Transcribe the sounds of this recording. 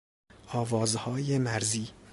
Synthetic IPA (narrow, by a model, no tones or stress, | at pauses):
ɒːvɒːzhɒːjemæɾziː